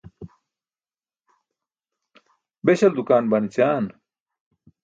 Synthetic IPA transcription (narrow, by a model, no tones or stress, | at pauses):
beɕɐld̪ukaːnbɐnit͡ɕaːn